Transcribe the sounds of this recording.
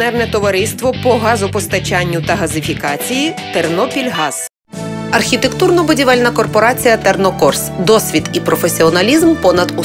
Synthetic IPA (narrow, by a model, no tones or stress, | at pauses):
nɛrnɛt̪ɔʋɐɾɪst̪ʋɔpɔɦɑzɔpɔst̪ɐt͡ʃɑnʲːʊt̪ɐɦɐzɪfʲikɑt͡sʲijit̪ernɔpʲilʲɦɑz̥ | ɐrxʲit̪e̞kt̪urnɔbʊdʲiʋɛlʲnɐkɔrpɔɾɑt͡sʲijɐt̪ernɔkɔrsd̪ɔsʲʋʲit̪ipɾɔfesʲiɔnɐlʲizmpɔnɐd̪u